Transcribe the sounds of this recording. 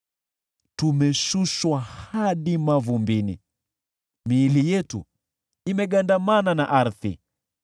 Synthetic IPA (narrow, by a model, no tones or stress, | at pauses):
tumɛʃuʃwahaɗimavumbinḭ | miːlijɛtṵ | imɛɠandamananaʔaɾθḭ